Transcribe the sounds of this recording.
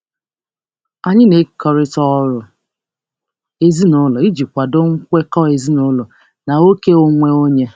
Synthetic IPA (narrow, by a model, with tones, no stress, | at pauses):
a˨ɲɪ˦ne˨˦kɔ˨ɾɪ˦tɔ˦ɾʊ˨ | e˦zi˦nʊ˦lɔ˨i˦d͡ʒi˨kʷa˨do˦ŋ̩˦kʷe˦kɔ˦e˨zi˦nʊ˦lɔ˨ | na˨o˦ke˦o˦ŋʷe˦o˦ɲe˦